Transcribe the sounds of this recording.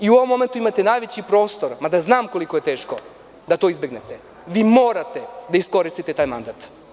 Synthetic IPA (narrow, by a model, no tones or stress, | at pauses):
iuoʋomːo̞me̞nt̪uimat̪e̞naːjʋet͡ɕipɾo̞ːst̪o̞ɾmad̪aznaːmko̞likojet̪e̞ːʃko̞ | d̪at̪oizbeɡnet̪e | ʋiːmo̞ːɾat̪e̞d̪aisko̞ɾist̪it̪et̪aːjma̰nd̪aːt̪